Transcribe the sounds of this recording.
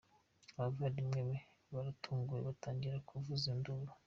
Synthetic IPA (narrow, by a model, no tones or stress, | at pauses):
βavaɾimŋeβe | βaɾatʰuːŋɡujeβataːɲɟiɾakʰuvuzinduβa